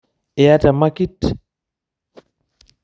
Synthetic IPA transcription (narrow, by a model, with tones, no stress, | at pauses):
ɛ˨ja˦ta˨ma˦ki˦t